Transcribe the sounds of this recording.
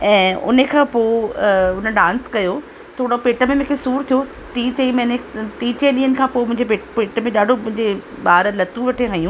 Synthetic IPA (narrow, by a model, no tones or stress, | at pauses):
ɛ̃ːʊ̰nəkʰãːpoːʊnəɗãːnskɐjo | t̪ʰoːɽopeːʈəmẽmʊ̃ːkʰesuːɾt̪ʰijo | ʈiːt͡ɕɐimɐ̃neʈiːt͡ɕeɗiːənɪ̆kʰãːpoːmʊ̃ɦɪ̃ɲd͡ʑepepeːʈəmẽɗaːɖʱomʊ̃ɦɪ̃ɲd͡ʑeɓaːɾlɐt̪ũʋɐʈʰeɦajũː